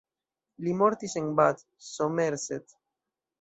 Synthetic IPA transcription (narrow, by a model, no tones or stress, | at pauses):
limoɾt̪iseŋbat̪ | someɾset̪